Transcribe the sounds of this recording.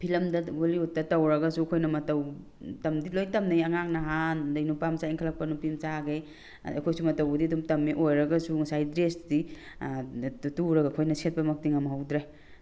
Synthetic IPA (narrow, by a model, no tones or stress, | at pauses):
pʰilɐmdɐɡoliutːɐtɐwɾɐɡɐsuɐkʰojnɐmɐtɐw | tɐmdilojtɐmnajɐŋaŋnɐɦandɐjnupamsaiŋkʰlɐk̚pɐnupimt͡ʃaɡej | ɐ̰kʰojsumɐtɐwɐdidumtɐmːiʔojɾɐɡɐsusajdɾesdi | tuɾɐɡakʰojnɐsʰet̚pɐmɐk̚tiŋɐmɐɦɐwdɾaj